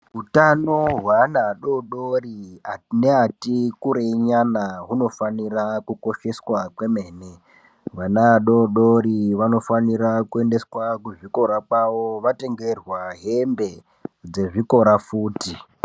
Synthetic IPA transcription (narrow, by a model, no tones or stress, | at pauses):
ɦutano̞ɦwanaɗoɗorianeatikuɾeɲanaɦuno̞fanirakuko̞ʃe̞swakwe̞me̞ːne | ɦwanaɗo̞ɗo̞ɾiʋano̞faniɾakue̞nde̞swakuʐiko̞ɾakwaʋoʋate̞ŋɡe̞rwaɦe̞mbe̞ | d͡ze̞ʐiko̞ɾafuːti